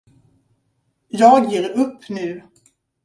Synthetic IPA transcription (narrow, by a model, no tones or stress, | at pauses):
jɑːɡjeːɾɵpːnʉ̟ː